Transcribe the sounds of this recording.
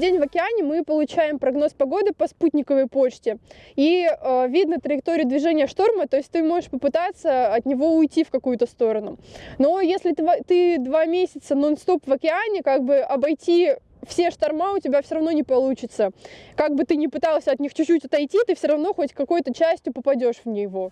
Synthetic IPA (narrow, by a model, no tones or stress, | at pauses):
dʲenʲvɐkʲɪanʲɪmɨpəlˠʊt͡ɕæjɪmpɾɐɡno̞spɐɡo̞d̪ɨpɐsput̪̚ʲnʲɪkəvəjpo̞t͡ɕtʲɪiəvʲid̪nət̪ɾəjɪk̚t̪o̞ɾʲɪʊd̪vʲɪʐɛnʲɪjəʂt̪o̞rmət̪o̞ɪsʲtʲt̪ɨmo̞ʐɨʂpəpɨt̪at̪səɐt̪nʲɪvo̞ʊjtʲifkɐkujʊt̪əst̪o̞ɾənʊno̞jesʲlʲɪt̪vt̪ɨd̪vamʲesʲɪt̪sənonst̪o̞pvɐkʲɪanʲɪkaɡ̚bɨʔɐbɐjtʲi | fsʲeʂt̪ɐrmaʊtʲɪbʲafsʲoɾɐvno̞nʲɪpɐlˠut͡ɕɪt̪səkaɡ̚bɨt̪ɨnʲɪpɨt̪alˠsʲəɐt̪nʲixt͡ɕʊt͡ɕːutʲɐt̪ɐjtʲit̪ɨfsʲoɾɐvno̞xo̞tʲkɐko̞jʊt̪ət͡ɕæsʲtʲjʊpəpɐdʲo̞ʂvnʲɪjvo